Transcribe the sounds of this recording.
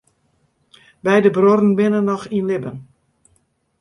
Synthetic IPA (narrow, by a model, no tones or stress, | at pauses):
bɛjdəbrorn̩bɪnənːɔxinlɪbən